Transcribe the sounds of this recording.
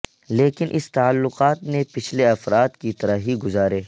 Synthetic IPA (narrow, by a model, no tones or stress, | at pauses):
leːkɪnʔɪst̪aəlːʊqaːt̪nepɪt͡ʃʰleɐfɾaːt̪kit̪ɐɾaɦiɡʊzaːɾeː